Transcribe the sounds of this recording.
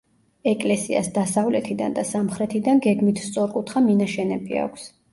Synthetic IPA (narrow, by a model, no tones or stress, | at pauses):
ɛkʼlɛsia̰sd̪asavlɛt̪ʰid̪a̰nd̪asamχɾɛt̪ʰid̪anɡɛɡmit̪ʰst̪sʼɔɾkʼut̪ʰχaminaʃɛnɛbḭa̰kʷʰs